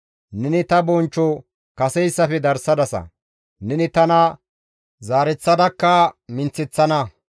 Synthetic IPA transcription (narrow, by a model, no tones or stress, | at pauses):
nɛnɪt̪ɐbɔnt͡ʃːɔ | kɐsɛjsːɐfɛd̪ɐɾsɐd̪ɐsɐ̰ | nɛnɪt̪ɐnɐ | zaːɾɛt͡sːɐd̪ɐkːɐmɪnt͡sːɪt͡sːɐnɐ